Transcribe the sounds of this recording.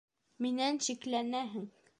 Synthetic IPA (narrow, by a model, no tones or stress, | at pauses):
minænɕiklænæɦɘŋ